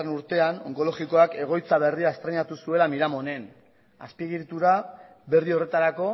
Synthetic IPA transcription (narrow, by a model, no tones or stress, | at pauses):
enuɾt̪e̞ano̞̰ŋko̞lo̞ɣiko̞ake̞ɣ̞o̞jt͡saβe̞riaest̪ɾe̞ɲat̪usue̞lamiɾamo̞ne̞n | a̰spiɣiɾt̪uɾa | be̞rio̞re̞t̪aɾako̞